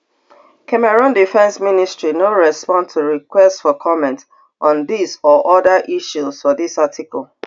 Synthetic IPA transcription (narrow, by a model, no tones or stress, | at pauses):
kʰɛmɛɹɔ̃ndifɛ̃nsministɹinoɹɛspɔ̃ntʰuɹikwɛstfɔkʰɔmɛ̃nt | ʔɔ̃nðisɔʔɔðəʔiʃuz̥fɔðisatʰikɔlˠ